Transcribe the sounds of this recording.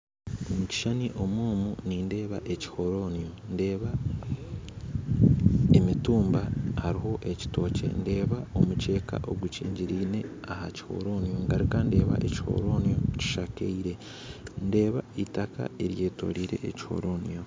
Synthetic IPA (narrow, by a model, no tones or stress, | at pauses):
omuci̥ʃaniʔo̞mwuːmuninde̞ːβaʔe̞ci̥ho̞ɾo̞nijonde̞ːβa | emituːmbahaɾiɦo̞ʔe̞ci̥to̞ːce̞̰nde̞ːβaomut͡ʃe̞ːka̰ʔo̞ɡucḭːɲɟiɾiːne̞ | ahaci̥ho̞̰ɾo̞nijoŋɡaɾikande̞ːβa̰ʔeci̥ho̞̰ɾo̞nijo̞ci̥ʃakeiɾe̞ | nde̞ːβaitaka̰eɾje̞ːto̞̰ɾiɾe̞̰ʔːci̥ho̞̰ɾo̞nijo